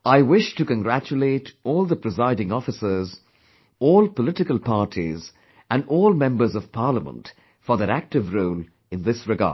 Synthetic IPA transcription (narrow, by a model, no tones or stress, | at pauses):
aɪwɪʃtɨkə̃nɡɹæt͡ʃuletɔːlˠðəpɹ̥ɪzaɪɾɪ̃ŋɔfɨsə˞z | ɔːlˠpəlɪtɪkəlˠpʰɑɹtʰḭz | æ̃ndɔːlˠmɛ̃mbə˞zʌv̥pʰɑɹləmə̰̃nt | fə˞ðəɾæk̚tɨvɹoːl | ɨ̃nðɪsɹɨɡa̰̥ː